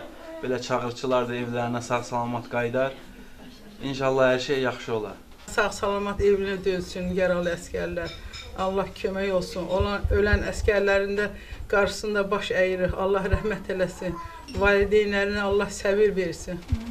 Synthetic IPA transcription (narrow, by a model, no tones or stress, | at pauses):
b̥e̞læt͡ʃʰɑʁɯɾt͡ʃʰɯlˠɑɾd̪ɑe̞vlæɾinæsɑɣsɑlˠɑmɑt̪ɡɑjd̪ɑɾ | inʃɑlˠːɑhæɾʃejjɑχʃɯo̞lˠɑ̰ɾ | sɑʁsɑlˠɑmɑt̪e̞vinæd̪øzsynjæɾɑlˠɯæscæɾlæɾɑlˠːɑhcʰømæjo̞lˠsunʔolˠɑø̞lænæscæɾlæɾind̪æ | ɡ̥ɑɾʃɯ̥sɯnd̪ɑbɑʃæjiɾiχɑ̰lˠːɑɦɾæɦmæt̪ʰe̞læsin | vɑːlid̪ejnæɾinæɑlˠːɑhsæbiɾve̞ɾsin